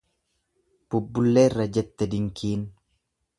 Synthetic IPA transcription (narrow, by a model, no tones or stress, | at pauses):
b̥ʊbːʊlːeːrːɐd͡ʒɛt̪ːɛd̪ɪŋkʰiːn